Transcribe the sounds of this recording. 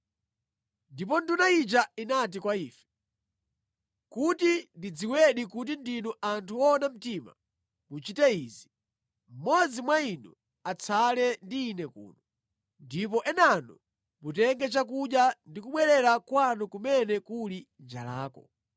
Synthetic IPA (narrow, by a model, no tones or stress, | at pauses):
ndip̬ɔndunait͡ʃainat̬ikwaiːfɛ̥ | kutindid͡ziwɛɗikut̬indinɔʔantʰuɔnam̩tima̰ | mut͡ʃitɛiːzi | m̩mɔd͡zimwainu | at͡sʰalɛndiːnɛkṵːnɔ | ndip̬ɔʔɛnanɔ | mutɛŋɡɛt͡ʃak̬uɗjandikuɓwɛɾɛɾakwanukumɛnɛkulind͡ʒa̰la̰ːkɔ